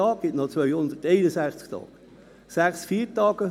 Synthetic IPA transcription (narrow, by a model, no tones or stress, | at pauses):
ɑːk̚ɡ̥ɪtnɔt͡sʋœʏhʊndəteɪnəsæχt͡skt̪ʰɑ̰ːɡ̥ə | sæχsfiːɾtɑːɡ̥ə